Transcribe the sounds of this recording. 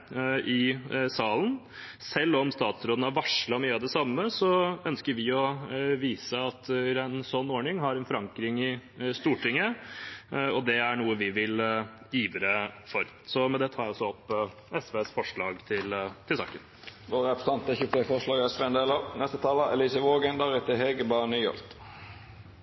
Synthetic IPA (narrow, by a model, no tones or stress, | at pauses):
ʔɪsɑːlən | sɛlːɔmst̪ɑːt̪sɾoːd̪n̩ɑʋɑʂləɾɔmyːəɑʋd̪ɛsɑmːəsɔœnskəɾʋɪɔʋiːsəɑt̪ɪɾɛnsɔnːoːɳɪŋɦɑɾɛnfɔɾɑŋkɾɪŋɪst̪uːʈɪŋːə | ɔd̪ɛæɳuːəʋɪʋɪl | iːʋɾəfɔɾ | sɔmɛnd̪ɛt̪ʰɑːɾjæɔsɔɔpː | ɛsʋeːsfɔʂɭɑːɡt̪ʰɪlt̪ʰɪlsɑ̰ːkən | ʋoːʁəɑpst̪ɑnt̪əçʉpʰefɔʂɭɑːɡɛsʋeɛnd̪eːlənɛst̪ət̪ʰɑːləʔɛliːsəʋoːɡənd̪ɑʁɛt̪əɦeɡəbɑnyːɔ̰lt̪